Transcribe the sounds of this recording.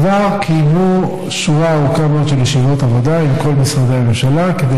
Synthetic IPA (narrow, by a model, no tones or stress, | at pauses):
vaʁkʰimu | ʃuʁaːukamotʃeljeʃivot̪avo̞d̪aimko̞lmisʁad̪eamemʃalaked̪e